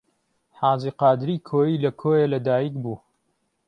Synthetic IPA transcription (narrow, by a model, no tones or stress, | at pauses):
ħaːziːqɑːd̪ɾiːkʰoːjiːlɐkʰoːjelɐd̪aːjiːkbuː